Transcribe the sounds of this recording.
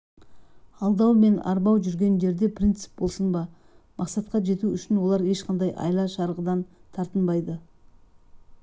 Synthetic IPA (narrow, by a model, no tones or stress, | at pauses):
ɑlˠd̪ɑwme̞nɑ̰ɾbɑwʒʏɾɡʲe̞nʒe̞ɾd̪e̞prʲint̪sɪ̥p̚bo̞lˠsənbɑ | mʔɑqsɑt̪qɑʒe̞t̪uʏʃɪnwo̞lˠɑɾe̞ʃqɑnd̪ɑjʔɑ̰jlˠɑʃɑɾʁəd̪ɑnt̪ʰɑɾt̪ənbɑjd̪ə